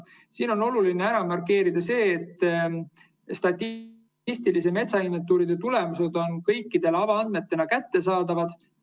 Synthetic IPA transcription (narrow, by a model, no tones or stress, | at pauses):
siːno̞no̞lulineæɾɑmɑrke̞ːɾid̪̥ɑse̞ːt̪ː | st̪ɑt̪ʲː | ist̪iliseme̞t̪sɑinːet̪ːˑuːɾid̪̥e̞t̪ulemuse̞d̪o̞nkɤjkːid̪̥e̞lɑvɑɑnd̪me̞t̪ːe̞nɑkæt̪ːe̞sɑːd̪ɑvɑd̪̥